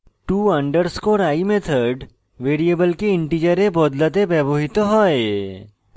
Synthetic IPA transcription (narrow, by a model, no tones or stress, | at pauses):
ʈuːɐ̃ɳɖəɾskoɾaːimẽt̪ʰəɾɖ | ʋeːɾijəbəlkeɪ̃ɳʈid͡ʒəɾẽbɔːd̪lət̪̬eʋɛboɦɪt̪oɦɔːe